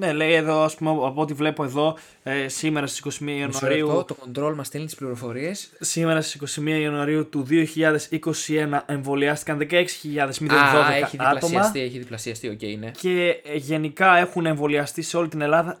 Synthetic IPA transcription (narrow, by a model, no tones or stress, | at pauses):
ne̞le̞jeðo̞ɐspumeɐpo̞ot̪ivle̞poe̞ðo̞ | sime̞ɾɐst̪isi̥ko̞simiɐiɐnuɐɐɾiut̪oko̞nd̪ɾo̞lomɐst̪elit̪i̥spliɾo̞fo̞ɾiessime̞ɾɐst̪isiko̞simiɐiɐnuɐɾiut̪uðio̞çiʎɐðe̞siko̞sie̞nɐʔe̞ɱvo̞liɐst̪ikɐnðe̞kɐe̞ksi̥çiʎɐðe̞zmiðenðo̞eekɐiðiɐlo̞mɐt̪ieçiðiplɐsiɐst̪io̞cḛnece̞ʝe̞nikɐe̞xune̞ɱvo̞liɐst̪ise̞o̞lit̪ine̞lɐðɐ